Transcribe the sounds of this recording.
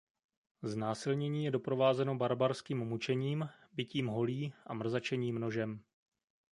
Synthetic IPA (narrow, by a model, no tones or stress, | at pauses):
znaːsɪlɲɛɲiːjɛdo̞pɾo̞vaːzɛno̞baɾbaɾskiːmmut͡ʃɛɲiːm | bɪciːmɦo̞liːʔa̰mr̩zat͡ʃɛɲiːmno̞ʒɛm